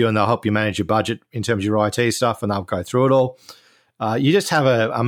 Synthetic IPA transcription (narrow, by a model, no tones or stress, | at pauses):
əə̃nðəɪlˠɦɛlˠpjəmanɪd͡ʒjəbʌd͡ʒɪtɪ̃ntʰɜ̃ːmzəəɹaɪtʰi̥ːstʌfə̃nðəɡəʊθɹʉːɪɾɔːlˠ | ʌjəd͡ʒʌst̚həvəə̰m